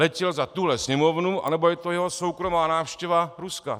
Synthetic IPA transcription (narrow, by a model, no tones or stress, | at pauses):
ɛcɛlzat̪uɦlɛsɲɛmo̞vnuʔa̰nɛbo̞jɛt̪o̞jɛɦo̞so̞wkɾo̞maːnaːfʃcɛvaɾuska̰